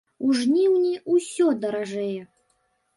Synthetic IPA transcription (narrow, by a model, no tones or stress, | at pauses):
uʐnʲiwnʲiusʲɔd̪ɐɾaʐɛjɛ